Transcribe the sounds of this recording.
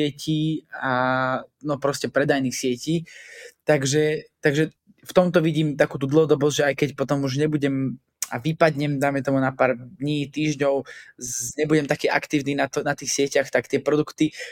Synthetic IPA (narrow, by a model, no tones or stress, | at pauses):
ɪɛciːa | nɔpɾɔscɛpɾɛd̪ajniːxsɪɛciːt̪aɡʒɛt̪aɡʒɛ | ft̪ɔmt̪ɔʋiɟiːmt̪akuːt̪uːd̪l̩ˠɦɔd̪ɔbɔzʒɛajkɛcpɔt̪ɔmuʒɲɛbuɟɛm | aʋipad̪ɲɛmd̪ajmɛt̪ɔmunapaːɾd̪ɲiːt̪iːʒɲɔʊ | ɲɛbuɟɛmt̪akɛːʔa̰kt̪iːʊniːnatnat̪iːxsɪɛcaxt̪akt̪ɪɛpɾɔd̪ukt̪i